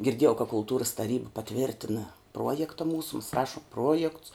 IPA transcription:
ɡʲɪrʲˈdʲiɛjɛʊ kɐ kʊlˠˈtuːrɐs tɐˈrʲiːbɐ pɐˈtʲʋʲɪrʲtʲɪnɐ ˈpruɔjɛktɐ ˈmuːsʊ mɐs ˈrɑːʃʊm ˈpruɔjɛkts

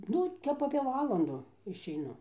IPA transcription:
ˈnʊ ˈtʲɛp ɐpʲeː ˈʋɑːlˠɐndʊ ɪʃʲɛɪˈnʊ

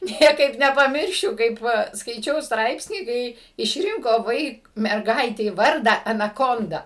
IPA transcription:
ˈnʲiɛkɐɪp nʲɛpɐˈmʲɪrʲʃʲʊ kɐɪp ˈʋɐ skɐɪˈt͡ʃʲɛʊ ˈstrɐɪpʲsʲnʲiː ˈkɐɪ ɪʃʲˈrʲɪŋkoː ˈʋɐɪk mʲɛrˈɡɐɪtʲɛɪ ˈʋɐrdɑː ɐnɐˈkoːndɐ

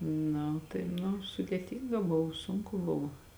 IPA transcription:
ˈnɐ tɐɪ nʊ sʊdʲeːˈtʲiːŋɡɐ ˈbʊw ˈsʊŋkʊ ˈbʊw

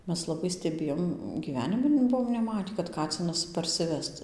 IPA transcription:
ˈmʲɛs lˠɐˈbɐɪ sʲtʲɛˈbʲeːjoːm ɡʲiːˈʋʲæːnʲɪmʲɪ ˈbʊʋoːm nʲɛˈmɑːtʲiː kɐt ˈkɑːt͡sʲɪnɐs pɐrʲsʲɪˈʋʲɛst

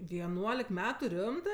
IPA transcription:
ʋʲiɛˈnuɔlʲɪk ˈmʲæːtʊ ˈrʲɪmtɜ

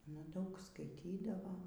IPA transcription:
ɐnɐ ˈdɐʊk skɐɪˈtʲiːdɐʋoː

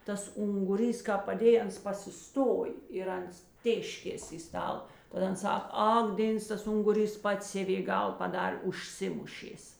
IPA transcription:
ˈtɐs ʊŋɡʊˈrʲiːs ˈkɑːp pɐˈdʲeːj ˈɐns pɐsʲɪˈstoːj ɪr ˈɐns ˈtʲeːʃʲkʲeːs ɪ ˈstɐlˠ tɐt ˈɐn ˈsɐk ˈɐk ˈdʲeːns tɐs ˈʊŋɡʊˌrʲiːs ˈpɐts ˈsʲæːʋʲeː ˈɡɐlˠ pɐˈdɐrʲ ʊʃʲˈsʲɪmʊʃʲeːs

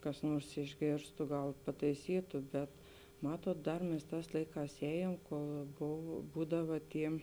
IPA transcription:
kɐs ˈnuɔrs ɪʒʲˈɡʲeːrstʊ ˈɡɐlˠ pɐtɐɪˈsʲiːtʊ bʲɛt ˈmɑːtuɔt ˈdɐr mʲɛs ˈtɑːs ˈlˠɐɪˌkɑːs ˈɛːjeːm koːlˠ ˈboːw ˈbuːdɐʋɐ ˈtʲiː

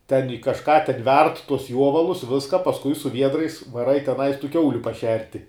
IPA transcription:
tʲɛn jɪ kɐˈʃkɑː tʲɛn ˈʋʲɛrt tʊs ˈjuɔʋɐlˠʊs ˈʋʲɪskɐ pɐsˈkʊɪ sʊ ˈʋʲiɛdrɐɪs ʋɐˈrɐɪ tʲɛˈnɐɪs tuː ˈkʲɛʊlʲʊ pɐˈʃʲɛrʲtʲɪ

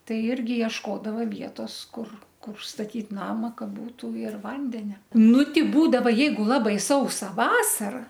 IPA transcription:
ˈtɐɪ ˈɪrʲɡʲɪ iɛʃˈkoːdɐʋɐ ˈʋʲiɛtoːs ˈkʊr ˈkʊr stɐˈtʲiːt ˈnɑːmɐ ˈkɐ ˈbuːtʊ ɪr ˈʋɐnʲdʲɛnʲɛ ˈnʊ ˈtʲɪ ˈbuːdɐʋɐ ˈjɛɪɡʊ ˈlˠɑːbɐɪ ˈsɐʊsɐ ˈʋɑːsɐrɐ

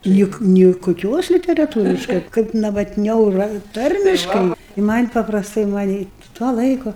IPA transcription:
ˈnʲɪk nʲɪ kʊˈkʲoːs lʲɪtʲɛrɐˈtuːrʲɪʃkɐɪ kɐɪp nɐʋɐtʲˈnʲɛʊ ˈrɐ ˈtɐrʲmʲɪʃkɐɪ ɪ mɐnʲ pɐprɐsˈtɐɪ mɐˈnʲiː tuɔ ˈlˠɐɪkʊ

